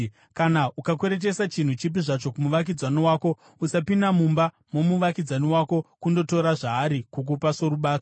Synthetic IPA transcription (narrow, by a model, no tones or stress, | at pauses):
kanaʔukakweɾet̬e̞sat͡ʃin̤ut͡ʃip̬iʐat͡ʃo̞kumuʋak̬id͡zaniwaːko̞ | usapinamumba | mo̞muʋakid͡zaniwaːko̞kundo̞to̞ɾaʐaːɾikuk̬upasoɾuɓaːto